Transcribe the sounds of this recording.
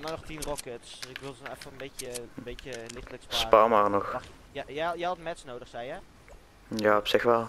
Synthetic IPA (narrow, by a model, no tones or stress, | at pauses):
dɔnɔχtinrɔkətsɪkʋɪlˠznɛfərənbejcəbejəlɪtɪkspspaːmarnɔx | jjɛjɛjɑtmɛtsnowdəχsɛjɛ | jaːɔpsɪxʋɛlˠ